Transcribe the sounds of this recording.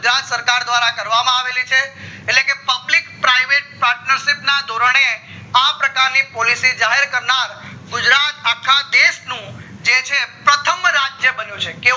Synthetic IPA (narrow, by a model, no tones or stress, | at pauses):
ɡʊd͡ʒɾat̪səɾkaɾd̪ʋaɾakəɾʋamãaʋelit͡ʃʰeːtlekepəblikpɾaiʋeʈ̚paɾʈnəɾʃipnad̪ʱoɾəɳ̃e | apɾəkaɾnipɔlisid͡ʒaɦeɾkəɾnaɾɡʊd͡ʒɾat̪akʰːad̪eʃnũ | d͡ʒet͡ʃʰepɾət̪ʰəmɾad͡ʒjəbənjũt͡ʃʰeke